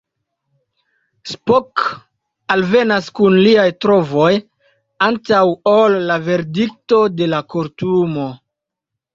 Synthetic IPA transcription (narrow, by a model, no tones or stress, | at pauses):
spok | alve̞naskunliajtɾo̞vo̞j | antawolːave̞ɾdik̚to̞de̞lakoɾtumo̞